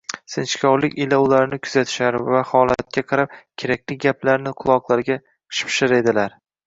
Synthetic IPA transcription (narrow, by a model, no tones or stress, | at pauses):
sɪnt͡ʃkʲʰɒwlɪkʲɪlaʊlaɾnɪkʲʰʊ̥zat̪ʰɪ̥ʃaɾɪvahɒlˠat̪̚kʲaqʰɑɾap̚kʲʰeɾak̚ʲlɪɡʲaplaɾnɪqʰʊlˠɒqlˠaɾɡʲḁ | ʃɪ̥pʰʃaɾe̞d̪ɪlaɾ